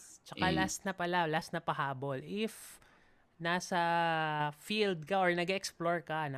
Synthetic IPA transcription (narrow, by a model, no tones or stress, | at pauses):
t͡ʃɐkalasnɐpɐlalasnɐpɐɦaːbolɪf | naːsɐ | fild̪̚kɐʔoɹnɐɡɛksploɹkɐn